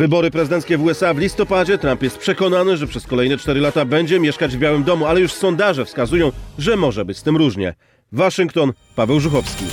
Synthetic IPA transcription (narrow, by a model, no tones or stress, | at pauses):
vɘbɔɾɘpɾɛzɨd̪ɛnt̪skʲɛvuɛsavlʲist̪ɔpad͡ʑɛt̪ɾampjɛst̪̚pʂɛkɔnanɘʐɛpʂɛskɔlɛjnɛt͡ʂt̪ɛɾɘlat̪abɛɲd͡ʑɛmʲjɛʂkad͡ʑvbʲjawɘmd̪ɔmualɛjuʂsɔnd̪aʐɛfskazujɔ̃w̃ʐɛmɔʐɛbɘt͡ɕst̪ɘmɾuʐɲɛ̰ | vaʂɨŋkt̪ɔn | pavɛwʐuxɔfskʲi